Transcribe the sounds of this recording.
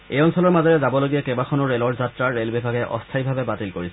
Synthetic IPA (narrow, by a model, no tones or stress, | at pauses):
ejɔnsɔlɔɹmazɔɹezabɔloɡijakebakʰɔnoɾelɔɹd͡ʑat̪ːɾaːelbibʱaɡeʔɔst̪ʰajbʱabebatilkoɹisʰ